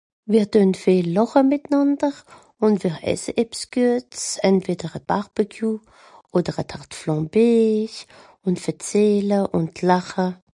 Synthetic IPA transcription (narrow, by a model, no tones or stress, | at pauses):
viːʁtøːnfeːlːɔχəmɪtnandəʁ | ʊntviːʁʔɛ̰səʔɛpsɡ̥yɐt͡sɛntv̥eːdəʁət̚b̥aʁb̥əkʰjuː | oːdəʁəthaʁtflɔ̃ːbeːç | ʊntfɛt͡seːləʔʊntʰlaχə